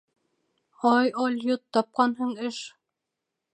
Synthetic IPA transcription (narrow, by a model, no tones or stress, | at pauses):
ɒjɑlʲjot̪ːɑp̚qɑnɦɤɴɘʃ